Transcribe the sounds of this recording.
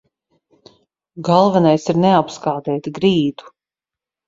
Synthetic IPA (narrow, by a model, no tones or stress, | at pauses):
ɡɑlˠvɛnajsiɾneapskaːd̪ɛːt̪iɡɾiːd̪u̥